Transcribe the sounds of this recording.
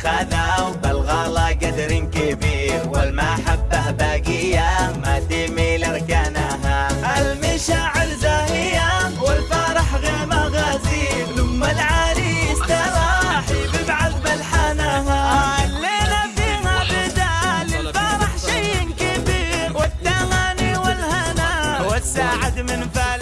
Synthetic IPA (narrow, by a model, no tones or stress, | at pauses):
xanawbalɣɑːlɑɡad̪ɾɪnkɪbiːɾwalmaħabːabaːɡɪjːamat̪iːmilɪɾˤkaːnaɦaʔalmaʃaːʕɪɾzaːhɪjawɪlfaːɾˤɑħɣeːmaɣaːzilʊmːalʕaːɾist̪ɑɾaħibɪbʕaðbalħanaɦalːeːlafiːhabɪd̪aːlɪlfaːɾˤɑħʃajːkabiːɾwɪt̪ːaɣaniwɪlhanawasːaːʕad̪mɪnfa